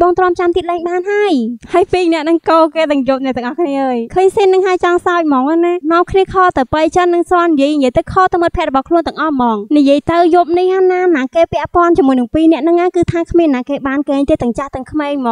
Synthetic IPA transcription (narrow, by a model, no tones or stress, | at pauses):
ɓɑːŋt̪rŏəmt͡ɕamt̪iət̪̚lɛːŋɓaːnɦaəjhaəjpiːnɛ̆əʔnɨŋkoːkeːt̪ɨŋjup̚nɛt̪ɛəŋʔɑhkʰniəʔəːjkʰəːɲsiːnːɨŋɦaəjt͡ɕɑŋsaɔc̚mɑːŋʔanaːnŏəmkʰniəkʰɔːt̪ɨwpəjt͡ɕənːɨŋsŏənːijiəjɲjiəjt̪ɨwkʰɔːt̪əwmət̪pʰɛəʔrɔɓɑhkʰluənt̪ɨəŋʔɑhmɑːŋnijiəjt̪ɨwjup̚nihanaːmnaːkeːpɛ̆əʔpŏənt͡ɕimːuəjnɨŋpiːnɛ̆əʔnɨŋʔaːkɨːt̪ʰaːkʰmiənaːkeːɓaːnkeːɲt̪eːt̪ɨ̆əŋt͡ɕaht̪ɨəŋkʰmeːɲmɔː